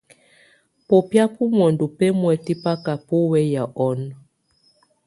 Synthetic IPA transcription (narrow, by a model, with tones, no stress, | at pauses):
po˨pja˦pu˦mwɔ˨ndu˨pe˦mwɛ˨ti˦pa˦ka˨po˦wɛ˦ja˨ʔɔ˦n